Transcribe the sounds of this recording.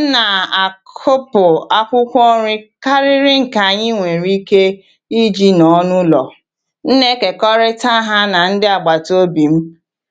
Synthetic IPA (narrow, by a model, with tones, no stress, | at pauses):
na˨a˨kʰo˦pʊ˨a˦kʷʊ˦kʷɔ˦ɾɪ˦ka˦ɾɪ˦ɾɪ˦ŋ̩˨ka˨ɲɪ˦ŋʷe˨ɾi˦ke˦ | i˦d͡ʒi˦nɔ˨˦nʊ˦lɔ̰˨ | n̩˦ne˦ke˨kɔ˦ɾɪ˦ta˦ɦa˦na˨n̩˦dɪ˦a˨ɡ͡ba˨to˦bi˨m̩˦